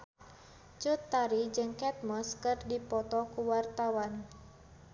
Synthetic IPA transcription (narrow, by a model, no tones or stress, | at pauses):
t͡ʃut̪ːaɾid͡ʒɨŋkɛt̪̚mɔskɨrdipɔt̪ɔkuwart̪awan